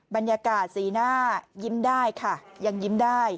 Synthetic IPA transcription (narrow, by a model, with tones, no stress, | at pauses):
ba˧nja˧kaː˨˩t̪̚siː˩˦naː˥˩ji˦˥mdaː˥˩jkʰa˥˩ja˧ŋji˦˥mdaː˥˩j